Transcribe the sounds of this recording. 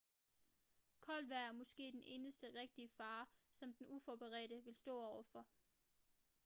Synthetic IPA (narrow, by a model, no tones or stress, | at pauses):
kʰɒ̽lʋæɐ̰æɐmɒ̽sɡ̥e̝̰ːd̥ene̝ːnəsd̥əʁeɡ̥̚d̥iəfɑ̈ːsɒ̽md̥enufɒːb̥əʁɛ̰ːɾəʋe̝lsd̥ɔ̰̽ːɒʊ̰ɐfɒ̽